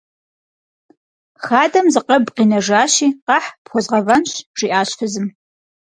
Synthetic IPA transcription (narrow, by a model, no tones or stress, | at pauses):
xaːdɐmzɨqɐbqiːnɐʐaːʃiːqɑħpxʷɔzʁɐvɐnɕʐ̥iʔaːɕfɐzɨm